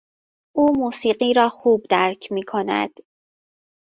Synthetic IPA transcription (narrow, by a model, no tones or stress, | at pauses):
ʔuːmuːsiːɢiːɾɒːxuːb̚d̪æɾcʰmiːkʰo̞næ̰d̪̥